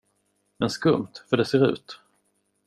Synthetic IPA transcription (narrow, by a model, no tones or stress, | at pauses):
mɛnskɵmt̪fœɖɛseːɾʉ̟̰ːt̪